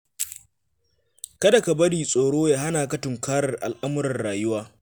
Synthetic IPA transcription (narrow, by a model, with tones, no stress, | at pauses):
kɐ˦da˨ka˨bɐ˦ɽiː˨sʼoː˨ɽoː˦jaː˨ɦa˦naː˨kɐ˦tʊ˨ŋkʰaː˦ɽɐ˨rʔa̰˨lʔa˦mʊ˦ɾɐ˨rɽaː˨jʊ˦waː˦